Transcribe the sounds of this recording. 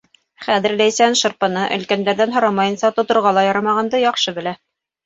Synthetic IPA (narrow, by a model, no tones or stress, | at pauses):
χæðɘ̆ɾlæjsænʃɤ̆ɾpɤ̆nɤʔɵ̆lkænd̪æɾðænɦŏɾɑmɑjɤ̆nsɑt̪ŏt̪ŏɾʁɑlˠɑjɑɾɑmɑʁɑnd̪ɤjɑqʃɤbɘ̆læ